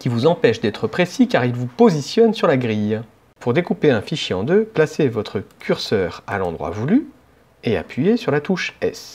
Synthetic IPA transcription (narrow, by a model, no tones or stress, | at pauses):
kʲivuzɑ̃pɛʃd̪ɛt̪χəpχesikaʁilvupozisjɔnsyʁlaɡʁij | puʁd̪ekupeɛ̃fiʃjeɑ̰̃d̪øplasevɔt̪χəkʲʰyʁsœːʁa̰lɑ̃d̪ʁwa̰vuly | ea̰pɥijesyʁlat̪uʃɛs